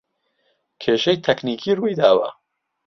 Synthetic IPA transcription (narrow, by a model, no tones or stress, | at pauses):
kʰeːʃɐjt̪ʰɛkniːkʰiːrujd̪aːwɐ̰